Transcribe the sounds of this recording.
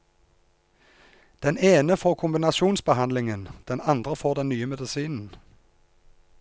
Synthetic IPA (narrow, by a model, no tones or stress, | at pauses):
d̪̥ɛneːnəfoːʁkʰʊmbɪnɑsuːnsbəhɑnd̪lɪŋənd̪̥ɛnɑnd̪ʁəfoːd̪ɛnnyːəmɛd̪əsiːnn̩